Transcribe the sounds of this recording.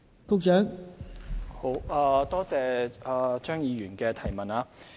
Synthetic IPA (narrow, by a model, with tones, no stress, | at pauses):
kʊ˥k̚t͡ʃœː˨˥ŋ | ho˨˧˥waː˧t̪ɔː˥t͡sɛː˨aː˨t͡ʃœː˥ŋjiː˨˧ɥyː˨˩nkɛː˧t̪ʰɐ˨˩jmɐ˨naː˧